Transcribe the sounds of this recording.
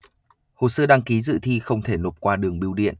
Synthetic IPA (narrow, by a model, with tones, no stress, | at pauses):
ho̰˧˨səː˧ɗaː˧ŋki˨˦zɨ̰˧˨t̪ʰi˧xə˧wŋ͡mt̪ʰe˧˩no˨˩p̚kwaː˧ɗɨ˨˩əŋɓi˧wɗḭ˧˨ən